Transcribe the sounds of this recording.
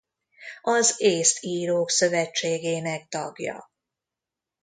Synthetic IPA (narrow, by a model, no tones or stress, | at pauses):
ɒzeːst̪ʰiːɾoːksø̞vɛt͡ʃːeːɡeːnɛk̚t̪ɒɡjɒ̰